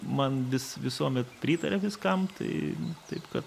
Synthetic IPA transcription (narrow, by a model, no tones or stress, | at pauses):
mɐnʋʲɪsʋʲɪsuɔmʲɛt̪pʲɾʲiːt̪ɐɾʲɛʋʲɪskɐmt̪ɐ̰ɪt̪ɐɪpkɐt̪